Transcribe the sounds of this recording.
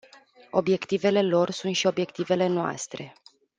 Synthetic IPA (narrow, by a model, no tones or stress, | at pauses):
o̞bje̞kt̪ive̞le̞lo̞rsunt̪ʃio̞bje̞kt̪ive̞le̞noa̰st̪ɾe̞